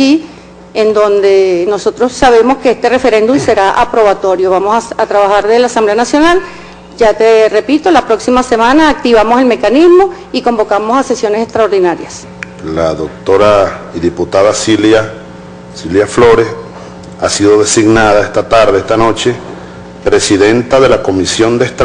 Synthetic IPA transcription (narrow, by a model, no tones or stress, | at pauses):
i | end̪o̞nd̪e̞no̞so̞t̪ɾosːaβ̞e̞mo̞skeest̪ere̞fe̞ɾe̞nd̪umse̞ɾaʔapɾo̞βat̪o̞ɾjoβamosat̪ɾaβaxaɾðeelasamble̞anasjo̞nal | d͡ʒat̪ere̞pit̪olapɾo̞ksimase̞mãnaːk̚t̪iβamose̞lme̞kanizmo̞ | iko̞mbo̞kamo̞sasesjo̞nesest̪ɾaoɾðinaɾjas | laðok̚t̪oɾaiðiput̪aðasila | siljaflo̞ɾe̞s | asiðo̞ðe̞siɡnaðaest̪at̪aɾðeest̪ano̞t͡ʃe̞ | pɾe̞siðent̪aðe̞lako̞misjo̞nd̪est̪ɾ